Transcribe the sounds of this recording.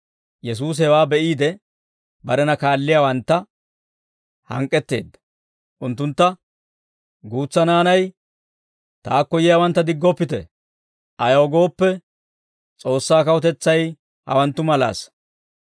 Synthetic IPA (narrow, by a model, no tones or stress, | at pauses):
jɛs̬uːs̬ɛwaːbɛʔiːd̪ɛ | bɐɾɛnɐkaːlːɪjaːwɐnt̪ːɐ | hɐ̰ŋkʼːɛt̪ːe̞̰ːd̪ːɐ̥ | ʔʊnt̪ːʊnt̪ːɐ | ɡuːt͡sːɐnaːnɐj | t̪aːkːɔjɪjaːwɐnt̪ːɐd̪ɪɡːɔpːɪt̪ɛ | ʔɐjɐɔɡo̞ːpːɛ | t͡sʼo̞ːsːaːkɐwɔt̪ɛt͡sːɐj | hɐ̰wɐnt̪ːʊmɐla̰ːs